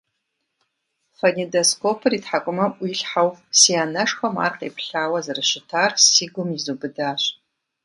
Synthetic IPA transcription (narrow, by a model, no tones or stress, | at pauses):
fɐnidoskʷʰopʰɨritħakʷʼʊmɐʔʷiɬħawsiaːnɐʂxɐma̰ːrqḛːpʰɬaːwɐzɨrɨʃɪtʰaːrsiːɡʷʊmizubɨdaːɕʷ